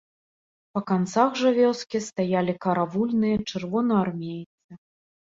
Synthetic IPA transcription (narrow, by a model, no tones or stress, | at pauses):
pɐkant̪saxʐɐvʲɔskʲist̪ajalʲikɐɾavulʲnɨjɐt͡ʂɨrvɔnɐarmʲejt̪sɨ